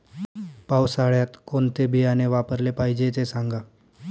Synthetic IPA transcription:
pawsaɭjat̪kont̪ebijaneʋapəɾlepaɦid͡ʑet̪esaŋɡa

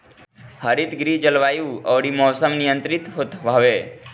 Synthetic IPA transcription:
həɾit̪ɡɾid͡ʒəlʋajũəʋɽimɔːsəmnijənt̪ɾit̪ɦot̪ʋaʋe

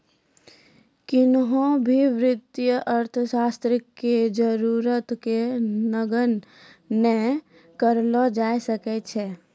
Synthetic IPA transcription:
kɪnɦõbʱiʋɾɪd̪jəʔəɾt̪ʰəʃaːst̪ɾɪkːed͡ʒəɾuɾət̪kenəɡənː | e | kəɾlɔd͡ʒaːjsəkɛt͡ʃʰɛː

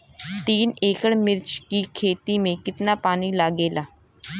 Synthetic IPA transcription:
t̪iːneːkəɽmɪɾt͡ʃkiːkʰeːt̪iːmẽːkɪt̪naːpaːniːlaːɡeːlaː

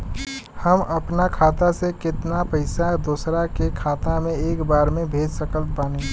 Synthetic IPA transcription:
həməpnakʰaːt̪asekɪt̪napəɪsad̪oːsɾakekʰaːt̪amẽeːkbaːɾmẽbʱeːd͡ʒsəkəl̚paːni

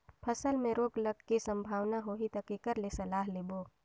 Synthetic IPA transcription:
pʰəsəlmẽɾoːɡləɡkisə̃mbʱaːʋnaɦoːɦit̪əkikəɾlesɐlaːɦleboː

